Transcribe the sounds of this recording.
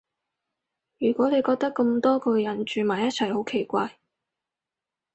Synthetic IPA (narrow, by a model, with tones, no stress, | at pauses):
jyː˨˩kʷɔː˨˥ne˨˧jkɔː˧k̚t̪ɐ˥kːɐ˧mt̪ɔː˥kʰɵ˧jɐ˨˥˩nt͡ʃyː˨maː˨˩jɐ˥t̚t͡sʰɐ˨˩jho˨˥wkʰe˨˩jkʷaː˧j